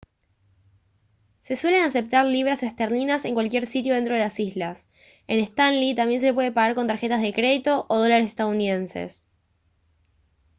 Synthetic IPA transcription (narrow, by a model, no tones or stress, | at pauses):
se̞swe̞le̞nase̞p̚t̪aɾliβ̞ɾasest̪eɾlinase̞ŋkwalkʲje̞ɾsit̪̬jo̞ðent̪ɾo̞ðelasizlas | e̞nest̪anlit̪ambje̞ns̬e̞pwe̞ð̞epaɣaɾko̞nt̪aɾxe̞t̪azðekɾe̞ðit̪o̞ʔoð̞o̞laɾes̬e̥st̪aðuniðe̞nse̞̰s